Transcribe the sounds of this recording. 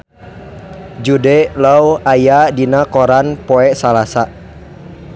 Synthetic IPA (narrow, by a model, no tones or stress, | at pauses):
d͡ʒudɛlawajadinakɔɾanpɔɛsalasa